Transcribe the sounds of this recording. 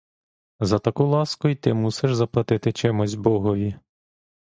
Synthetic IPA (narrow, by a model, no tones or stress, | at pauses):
zɐt̪ɐkulˠɑskʊit̪ɪmusɪʃzɐplˠɐt̪ɪt̪ɪt͡ʃɛmʊzʲbɔɦɔʋʲi